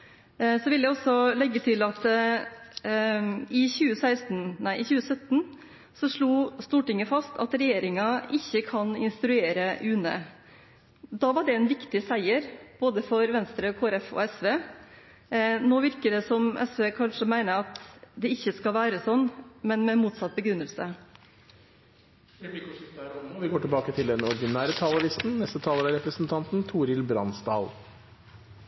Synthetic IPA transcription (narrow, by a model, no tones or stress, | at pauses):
sɔʋɪljæɪɔsːɔlɛɡːət̪ʰɪlɑt̪ | ɪçʉːəsæɪst̪n̩næɪʔɪçʉːəsœt̪n | sɔʂɭuːst̪uːʈɪŋːəfɑst̪ʰɑ̰t̪ɾɛjeːɾɪŋɑʔɪçːəkʰɑnɪnst̪ɾʉeːɾəʔʉːnə̰ | d̪ɑʋɑɖɛɛnʋɪkt̪ɪsæɪəɾb̥oːd̪əfɔɾʋɛnst̪ɾəkʰoːæɾɛfɔ̰ɛsʋeː | noːʋɪɾkəɖɛsɔmʔɛ̰sʋeːkʰɑnʂəmæɪnəɑt̪d̪ɛɪçːəskɑʋæːɾəsɔnːmɛnmɛmuːt̪sɑt̪̚ːbəɡɾʉnːəlsə | d̪ɛb̪ɪk̪æɾɔnʋɪɡoːʈɪlbɑːkət̪ʰɪld̪ɛnɔɾd̪ɪnæːɾət̪ʰɑːləlɪst̪n̩nɛst̪ət̪ʰɑːləɾæɾɛpɾəsnt̪ʰɑnt̪n̩t̪ʰuːɾɪlbɾɑ̰nsd̪ɑ̰ːlˠ